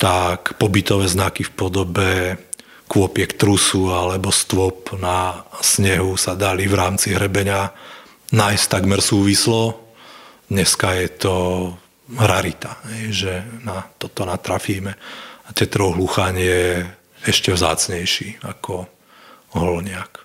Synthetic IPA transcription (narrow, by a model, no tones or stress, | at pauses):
t̪akpɔbit̪ɔʋɛːznakifpɔd̪ɔbɛ | kʋʊɔpɪɛkt̪ɾusualɛbɔst̪ʋɔpnasɲɛɦusad̪alivɾaːmt͡siɦɾɛbɛɲa | najst̪aɡmɛɾsuːʋislɔ | d̪ɲɛskajɛt̪ɔ | ɾaɾit̪aɦɛjʒɛnat̪ɔt̪ɔnat̪ɾafiːmɛat̪ɛt̪ɾɔʊɦluxaɲɪɛ | ɛʃcɛʋza̰ːt͡sɲɛjʃiːakɔ | ɦɔlɲɪak